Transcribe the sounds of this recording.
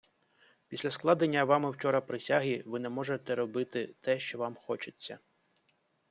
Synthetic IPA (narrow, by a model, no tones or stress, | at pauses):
pʲisʲlʲɐsklˠɑd̪enʲːɐʋɑmɪwt͡ʃɔɾɐpɾɪsʲaɦiʋɪnɛmɔʒet̪ɛɾɔbɪt̪ɪt̪ɛʃt͡ʃɔʋɑmxɔt͡ʃɪt͡sʲːɐ̰